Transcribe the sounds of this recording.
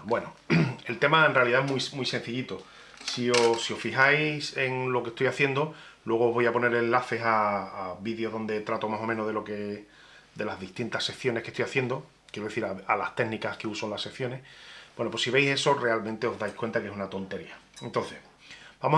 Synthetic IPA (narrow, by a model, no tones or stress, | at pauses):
bwe̞noe̞lt̪e̞maenrealiðaeɦmujmujse̞nθiʎit̪o | siosio̞ffiɦajse̞ŋlo̞ke̞ht̪ojaθje̞nd̪o | lwe̞ɣ̞oːɦβo̞japo̞ne̞ɾe̞nlaθe̞saːβiðjoðo̞nd̪e̞t̪ɾat̪o̞maso̞mẽnoðelo̞ke̞ | d̪e̞lazðiht̪int̪ase̞kθjo̞nehke̞st̪ojaθje̞nd̪o | kjeɾoðe̞θiɾaalast̪e̞ɡnikakeusonlase̞kθjo̞ne̞hb̥we̞no̞pwo̞siβe̞jse̞so̞re̞almẽnt̪e̞o̞ɦðajkwe̞nt̪akee̞sunat̪o̞nt̪e̞ɾia | ent̪o̞n̟θe̞s | bamo